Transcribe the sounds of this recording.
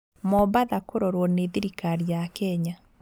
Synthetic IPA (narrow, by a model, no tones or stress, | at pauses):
mɔbaðakoɾɔɾwɔneðiɾikaɾiakɛɲa